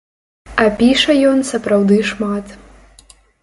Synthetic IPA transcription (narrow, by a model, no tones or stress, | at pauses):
ɐpʲiʂɐjɔnsɐpɾawd̪ɨʂmat̪